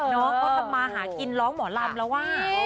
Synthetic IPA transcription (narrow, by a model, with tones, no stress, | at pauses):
nɔː˦˥ŋkɔː˧˥˩t̪ʰa˧mːaː˧ɦaː˩˦ki˧nlɔː˦˥ŋmɔː˩˦laː˧mlɛ˧˥waː˥˩